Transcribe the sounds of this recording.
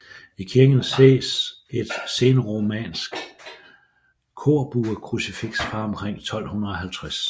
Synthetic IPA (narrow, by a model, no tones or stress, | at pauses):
ikʰiɐɡ̥n̩se̝̰ːs | e̝d̥se̝ːnəʁomɛ̰nsɡ̥ | kʰo̝ːɐb̥uːɐkʰʁusifiɡ̥sfɑ̈ɒ̽mkʰʁeŋ̰t͡sʰɒ̽l̰hunʁɐɒ̽hælt͡sʰʁas